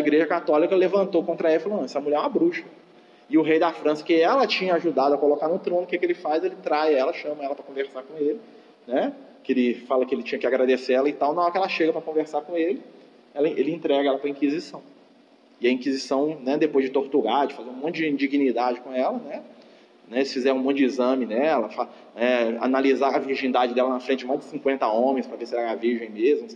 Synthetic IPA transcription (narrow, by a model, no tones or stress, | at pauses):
ɐiɡɾeʒɐkat̪ɔlikɐlevɐ̃nt̪owkõnt̪ɾɐɛfloẽsɐmuʎʲɛɾabɾuʃɐ | ɪʊɦejd̪afɾɐ̃sɐ̥kɪɛlɐt͡ʃĩɲɐaʒud̪ad̪ʊɐkolokaɾnʊt̪ɾõnʊkekelɪfajzelɪt̪ɾajɐɛlɐʃɐ̃mɐɛlɐpɾɐkõveɾsaɾkõelɪ | nɛkɪelɪfalɐkɪelɪt͡ʃĩɲɐkɪaɡɾad̪eseɾɛlɐɪt̪aw̃nɐɔɾkɛlɐʃeɡɐpɾɐkõveɾsaɾkõelɪ | ɛlɐʔelɪĩnt̪ɾɛɡɐɛlɐpɾɐĩkizisɐ̃w̃ | ɪɐĩkizisɐ̃w̃nɛd̪epojzd͡ʒɪt̪oɾt̪uɾaɾd͡ʒɪfazeɾũmõt̪t͡ʃd͡ʒɪ̃d͡ʒiɡinid̪ad͡ʒɪkõɛlɐnɛ | nɛsɪfizɛɾũmõʊd͡ʒizɐ̃mɪnɛlɐfa | nɛa̰nalizaɾɐviɾʒĩnd̪ad͡ʒɪd̪ɛlɐnafɾẽt̪t͡ʃɪd͡ʒɪmajzd͡ʒɪ̥sĩkwẽnt̪ɐõmẽj̃spɾɐvesɪɛɾɛɾaviɾʒẽj̃mezmʊ